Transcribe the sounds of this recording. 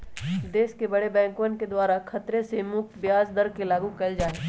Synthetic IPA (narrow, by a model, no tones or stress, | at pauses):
d̪eːskebɐɽebɛ̃ːŋkʋənked̪waːɾakʰɐt̪ɾesemʊk̚t̪bjaːzd̪əɾkelaːɡũkɐld͡ʒaːe